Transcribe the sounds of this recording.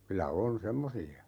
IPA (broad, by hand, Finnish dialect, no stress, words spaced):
kylæ on semːosiɑ